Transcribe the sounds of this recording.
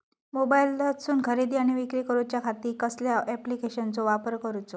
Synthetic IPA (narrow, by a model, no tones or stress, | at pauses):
mobaildətsuːnkʰəɾid̪iːaɽ̃iʋikɾiːkəɾut͡ɕjakʰat̪iːkəsljaʔɛplikeɕənt͡sɔʋapəɾkəɾut͡so